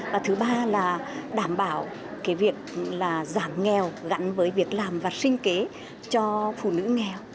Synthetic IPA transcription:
vaː˨˩t̪ʰɨ˨˦ɓaː˧laː˨˩ɗaː˧˩mɓaː˧˩w | kaː˨˦jvi˨˩ək̚laː˨˩zaː˧˩ŋːɛ˨˩wɣa̰˨˦˥nvəː˨˦jvi˨˩ək̚laː˨˩mvaː˨˩sï˧ŋ̟ke˨˦ | t͡ɕɔ˧fṵ˧˩nɨ̰˧˥ŋɛ˨˩w

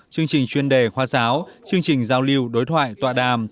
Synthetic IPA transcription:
t͡ɕɨ˧əŋt͡ɕï˨˩ŋ̟t͡ɕwi˧ənɗe˧˩xwaː˧˩saː˨˦wt͡ɕɨ˧əŋt͡ɕï˨˩ŋ̟zaː˨˧wli˧əwɗo˨˦jt̪ʰwa̰ː˧˨jt̪wa̰ː˧˨ɗaː˨˩m

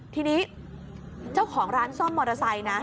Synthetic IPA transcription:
t̪ʰiː˧niː˦˥ | t͡ɕa˥˩wkʰɔː˩˦ŋɾaː˦˥nsɔ˥˩mːɔː˧ɾa˧sa˧jna˦˥

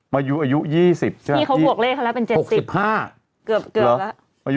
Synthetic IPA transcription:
maː˧ju˦˥ʔaː˧ju˦˥jiː˥˩si˨˩p̚t͡ɕʰɯ˥˩iː˥˩kʰa˦˥bu˨˩ək̚leː˥˩kʰa˥wla˦˥pe˧nt͡ɕe˨˩o˨˩k̚si˨˩p̚haː˥˩ | kɯ˨˩p̚kɯ˨˩˦la˦˥ | ʔa˧

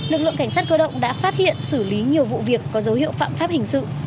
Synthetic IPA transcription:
lɨ˨˩k̚lɨ̰˧əŋka˧˩jŋsaː˦˥t̚kəː˧ɗə̰˧˨wŋ͡mɗa̰ː˧˥faː˦˥t̚hḭ˧˨ənsɨ˧˩li˨˦ɲi˨˩əwvṵ˧˨vi˨˩əkːɔ˨˦zə˨˦whḭ˧˨əwfa̰ː˧˨mfaː˦˥p̚hï˨˩ŋ̟sɨ̰˧˨

